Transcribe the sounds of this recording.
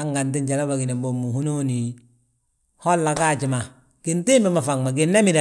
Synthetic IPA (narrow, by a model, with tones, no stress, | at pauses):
a˦ŋɡa˨ntɪ˦nt͡ʃa˨la˦ba˨ɡi˨nɛ˨bo˨mu˨hu˦no˦ni˨ | hɔ˦lːa˨kaː˦˨t͡ʃɪ˨ma˨ | kɪ˨ntɪ˦mbɛ˦ma˨fa˨ŋma˨ɡɪ˨nːa˦mi˦da˨